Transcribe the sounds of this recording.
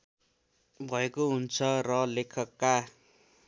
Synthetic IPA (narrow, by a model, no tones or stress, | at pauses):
bʱʌekoɦunt͡sʰʌrʌlekʰʌkːa